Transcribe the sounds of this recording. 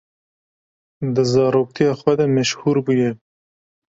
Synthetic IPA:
d̪ɨzɑːɾoːk̚t̪ʰijɑːxwɛd̪ɛmɛʃhuːɾbujɛ

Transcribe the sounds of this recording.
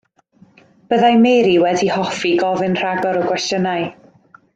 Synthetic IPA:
b̥əðajmeɾiwɛdihɔfiɡɔvɨnr̥aɡɔɾɔkʰwɛstjənaj

